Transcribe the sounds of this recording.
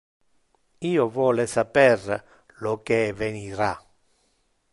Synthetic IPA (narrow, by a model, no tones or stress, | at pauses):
iːovwɔːlesapɛr | lokeveniɾa